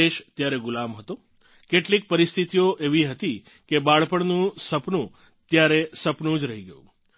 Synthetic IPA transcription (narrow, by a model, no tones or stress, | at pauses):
eʃt̪jaɾeɡʊlãmɦət̪o | keʈlik̚pəɾist̪ʰit̪ijoʔeʋiɦət̪i | kebaɭpəɳnũsəpnũ | t̪jaɾesəpnũd͡ʒɾəɦiɡəjṵ̃